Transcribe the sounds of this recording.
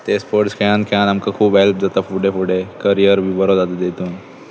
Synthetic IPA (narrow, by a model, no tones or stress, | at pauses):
t̪eːspoːɾʈskãːnkʰeãːnɐmkakʰuːbɦɛlpd͡ʒat̪afuɖefuɖekəɾijəɾbʱibɐɾod̪ad̪d̪eːt̪un